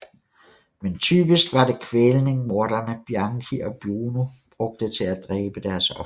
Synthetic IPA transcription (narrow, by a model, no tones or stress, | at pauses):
ment͡sʰyːb̥isɡ̥ʋɑ̈de̝kʰʋelne̝ŋmo̝ɐɾ̥ɐnəb̥jɑ̈ŋkʰiʔɒ̽b̥juːnub̥ʁɔ̽ɡ̥̚d̥ət͡sʰe̝læd̥ʁɛːb̥əd̥æɐsɒ̽